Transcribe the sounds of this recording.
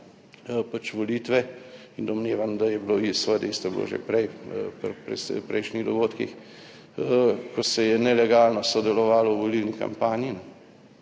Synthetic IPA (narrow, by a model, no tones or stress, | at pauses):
pat͡ʃʋɔlit̪ʋɛind̪ɔmneːʋand̪ajɛbloisʋəd̪eist̪ɔblo̰ʒḛpɾɛjpɾpɾɛ̰spɾɛjʃniɣd̪ɔɡoːt̪kḭx | kɔsɛjɛnɛlɛɡaːlnɔsɔd̪ɛlɔʋaːlɔwʋolilnika̰mpaːninɛ